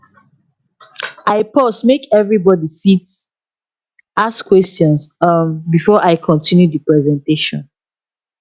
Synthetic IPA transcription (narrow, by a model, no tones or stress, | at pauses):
aɪpɔsmekɛvɹibɔdisit | askwɛstjɔ̃nsʌmbifɔʔaɪkʰɔ̃ntĩnjudəpɹɛzɛ̃nteʃɔ̰̃n